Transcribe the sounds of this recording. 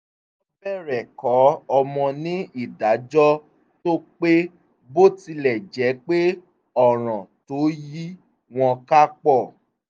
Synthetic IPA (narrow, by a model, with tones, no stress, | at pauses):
ɔ˦bɛ˦˨ɾɛ˨kɔ˨˦ɔ˧mɔ̃˧nĩ˨˦i˦˨da˨˦d͡ʒɔ˦ | to˦k͡pe˦ | bo˦ti˧lɛ˨d͡ʒɛ˨˦k͡pe˦ | ɔ˦˨ɾ̃ã˨to˨˦ji˦ | w̃ɔ̃˧ka˦k͡pɔ˦˨